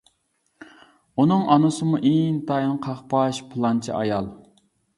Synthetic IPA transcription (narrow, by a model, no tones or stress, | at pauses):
unɨŋʔɑnɨsɨmuʔiŋt̪ɑjnqʰɑχpɑʃpʰɨlˠɑnt͡ʃʰḭʔɑjɑlˠ